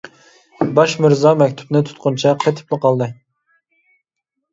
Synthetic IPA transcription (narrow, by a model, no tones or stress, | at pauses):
bɑʃmɪɾzɑmɛkʲt̪ʰu̥pnɨt̪ʰʊ̥t̪̚qʊnt͡ʃʰɛqʰɛt̪ʰɪ̥plˠəqʰɑlˠd̪ɨ